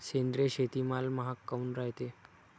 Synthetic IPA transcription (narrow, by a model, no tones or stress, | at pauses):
send̪ɾeɕet̪iːmalməɦakːaunɾaɦjt̪e